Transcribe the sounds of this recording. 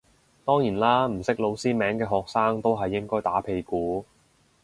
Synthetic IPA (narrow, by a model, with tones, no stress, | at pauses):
t̪ɔː˥ŋjiː˨˩nlaː˥m̩˨˩sɪ˥k̚lo˨˧wsiː˥mɛː˨˥ŋkɛː˧ɦɔː˨k̚saː˥ŋt̪o˥wɦɐ˨jːɪ˥ŋkɔː˥jt̪aː˨˥pʰe˧jkuː˨˥